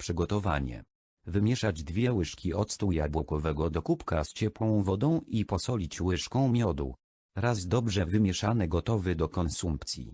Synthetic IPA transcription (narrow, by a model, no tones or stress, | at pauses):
pʂɘɡɔt̪ɔva̰ɲɛ̰ | vɘmʲjɛʂad͡ʑd̪vʲjɛwɘʂkʲiɔt̪st̪ujabwɔkɔvɛɡɔd̪ɔkupkast͡ɕɛpwɔ̃w̃vɔd̪ɔ̃w̃ipɔsɔlʲit͡ɕwɘʂkɔ̃w̃mʲjɔd̪ṵ | ɾazd̪ɔbʐɛvɘmʲjɛʂanɛɡɔt̪ɔvɘd̪ɔkɔnsumpt̪sʲjḭ